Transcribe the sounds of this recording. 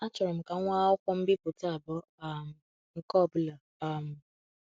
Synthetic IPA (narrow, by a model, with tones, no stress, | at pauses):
a˦t͡ʃɔ˨ɾɛ˨m̩˨kã˨˦w̃ã˦ɔ˦kʷɔ˦m̩˦bi˦ko˨ta˦˨bɔ˨˦ | a˦˨m̩˨ | ŋ̩˦kɔ˦˨bu˨la˨ | a˨m̩˨